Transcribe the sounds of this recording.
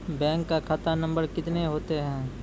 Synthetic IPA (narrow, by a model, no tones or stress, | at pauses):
bɛ̃ːŋkːakʰat̪anɐ̃mbəɾkɪt̪neɦoːt̪eɦɛ̃ː